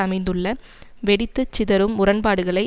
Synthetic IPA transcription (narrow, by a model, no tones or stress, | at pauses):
ɐmɐɪnd̪ɯɭːɐ | ʋɛɽɪt̪ːɯt͡ʃːɪðɐɾɯmːʊrɐnpaːɽɯɣɐɭɐɪ